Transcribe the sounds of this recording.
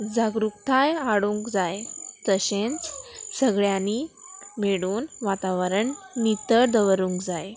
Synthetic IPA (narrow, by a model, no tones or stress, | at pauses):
d͡zaɡɾukt̪ʰajaɽũŋkd͡zajt̪əɕẽnt͡ssəɡɭjanimeɽuːnʋat̪aʋəɾəɳnit̪əɾd̪əʋəɾũŋkd͡zaj